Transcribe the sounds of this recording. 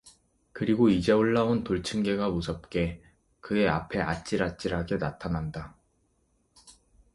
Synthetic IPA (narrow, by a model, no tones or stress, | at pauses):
kɯɾiɡoid͡ʑe̞oɭːaontoɭt͡ɕʰɯnɡe̞ɡamusʰʌp̚k͈e̞ | kɯe̞a̰pʰe̞ʔat͡ɕ͈iɾat͡ɕ͈iɾaɡenatʰananda